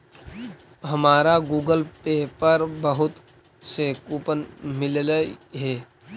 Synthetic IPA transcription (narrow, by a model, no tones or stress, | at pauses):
ɦɐmaːɾaɡuːɡəlpeːpəɾbəɦʊt̪ | sekupənmɪllɦɛː